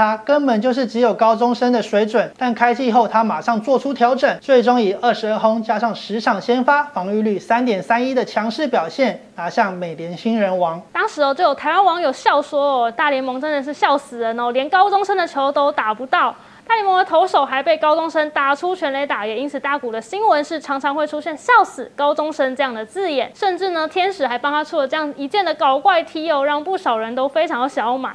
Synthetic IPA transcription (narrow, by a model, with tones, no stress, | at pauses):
a˥kə˥npə˨˩nt͡ɕjo˥˧ʊʂ̬ɻ̩˥˩ʈ͡ʂɻ̩˧˥jo˨˩ʊkɑ˥ʊʈ͡ʂʊ˥ŋʂə˥nd̪ə˨ʂwe˧˥ɪʈ͡ʂwə˨˩˦t̪a˥˩nkʰa˥ɪt͡ɕʰi˥˧xo˥˩ʊt̪ʰa˥ma˨˩ʂɑ˥˧ŋt͡swɔ˥˩ʈ͡ʂʰu˥t̪ʰjɑ˧˥ʊʈ͡ʂə˨˩nt͡swe˥˩ɪʈ͡ʂo˥ŋi˨˩ə˥˩ʂɻ̩˧˥ə˥˩ɦo˥ŋt͡ɕja˥ʂɑ˥˩ŋʂɻ̩˧˥ʈ͡ʂʰɑ˨˩ŋɕjɛ˥nfa˥fɑ˧˥ŋy˥˧ly˥˩sa˥nt̪jɛ˨˩nsa˥ni˦˥d̪ə˨t͡ɕʰjɑ˧˥ŋʂɻ̩˥˩pjɑ˨˩ʊɕjɛ˥˩nna˧˥ɕjɑ˥˩ŋme˨˩ɪljɛ˧˥nɕi˥nɻə˧˥nwɑ˧˥ŋt̪ɑ˥ŋʂɻ̩˧˥ɔ˧t͡ɕo˥˩jo˨˩t̪ʰɪwa˥nwɑ˧˥ŋjo˨˩ʊɕjɑ˥˩ʊswɔ˥ɔ˨t̪a˥˩ljɛ˧˥nmɤ˧˥ŋʈ͡ʂə˥nd̪ə˨˩ʂ̬ɻ̩˥˧ɕjɑ˥˩ʊsɹ̩˨˩ə˧˦nɔ˧ljɛ˧˥nkɑ˥ʊʈ͡ʂʊ˥ŋʂə˥nd̪ə˨t͡ɕʰjo˧˥ʊt̪o˥ʊt̪a˨˩pu˧˥t̪ɑ˥˩ʊ | t̪a˥˩ljnmɤ˧˥ŋd̪ə˧t̪ʰo˧˥ʊʂo˨˩ʊxa˧˥ɪpe˥˩ɪkɑ˥ʊʈ͡ʂʊ˥ŋʂə˥nt̪a˨˩ʈ͡ʂʰu˥t͡ɕʰɥɛ˧˥nle˧˥ɪt̪a˨˩jɛ˨˩ni˥nt͡s̩ʰ˨˩t̪a˥˩ku˨˩d̪ə˦ɕi˥nwə˧˦nʂɻ̩˥˩ʈ͡ʂʰɑ˧˥ŋʈ͡ʂʰɑ˧˥ŋxwe˥˩ɪʈ͡ʂʰu˥ɕjɛ˥˧nɕjɑ˥˩ʊsɹ̩˨˩kɑ˥ʊʈ͡ʂʊ˥ŋʂə˥nʈ͡ʂɤ˥˧jɑ˥˩ŋd̪ə˩t͡sɹ̩˥˩jɛ˨˩nʂə˥˧nʈ͡ʂɻ̩˥˩nə˩t̪ʰjɛ˥nʂɻ̩˨˩xa˧˥ɪpɑ˥ŋt̪ʰa˥t͡sʰu˥˩lə˩ʈ͡ʂɤ˥˧jɑ˥˩ŋ˩i˧˥t͡ɕjɛ˥˩nd̪ə˩kɑ˨˩ʊkwa˥˧ɪt̪ʰi˥ɔ˧ɻɑ˥˧ŋpu˥˩ʂɑ˨˩ʊɻə˧˥nt̪o˥ʊfe˥ɪʈ͡ʂʰɑ˧˥ŋd̪ə˧˩ɕjɑ˧˥ʊma̰˨˩˦